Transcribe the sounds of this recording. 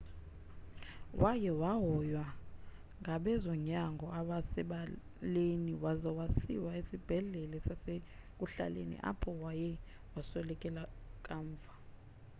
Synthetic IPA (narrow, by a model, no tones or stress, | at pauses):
wʔajɛwaɦɔjwa | ŋɡʱaɓɛzɔɲaŋɡʱɔaɓasɛɓa | leniwazɔwasḭwaesib̥ʱɛɮɛlɛsase | k̬ʼuɬa̰lḛnḭʔa̰pʰɔwajɛ | wasɛlɛkʼɛlakʼaːɱvʱa